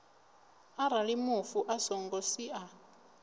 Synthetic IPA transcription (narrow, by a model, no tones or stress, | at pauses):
aɾalimufuʔasɔŋɡɔsiʔa